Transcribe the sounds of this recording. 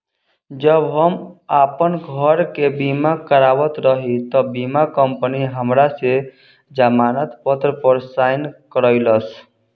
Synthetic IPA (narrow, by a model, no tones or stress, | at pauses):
d͡ʒəbɦəmapənɡʱəɾkebimakəɾaːʋət̪ɾəɦit̪ɔbimakəmpəniɦəmɾase | d͡ʒamaːnət̪pət̪ɾəpəɾsaːɪnkəɾəɪləs